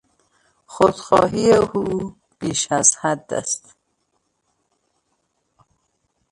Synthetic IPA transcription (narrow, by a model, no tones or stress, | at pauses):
xod̪̥xɒ̰ːɦiːjeʔuː | b̥iːʃæzhæd̪ːæ̰st̪